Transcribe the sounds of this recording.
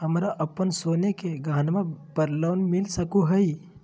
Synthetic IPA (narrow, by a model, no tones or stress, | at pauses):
ɦəmɾaʔəpənsonekeɡaːnmapəɾlawnmilsəkuɦəji